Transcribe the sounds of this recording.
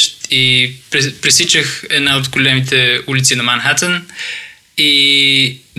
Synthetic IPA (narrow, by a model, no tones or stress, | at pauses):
t̪ipɾpɾisit͡ʃəxɛd̪naot̪ɡolɛmit̪ɛulit̪sinɐmanxat̪ən | i